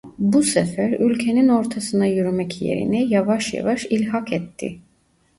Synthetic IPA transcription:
busɛfæɾylʲcʰe̞nino̞ɾt̪ʰasɯnajyɾymɛcje̞̰ɾḭnɛjavaʃja̰vaʃilʲɦakɛt̪ʰːɪ̰

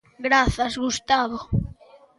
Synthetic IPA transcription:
ɡɾaθɐzɣust̪aβo

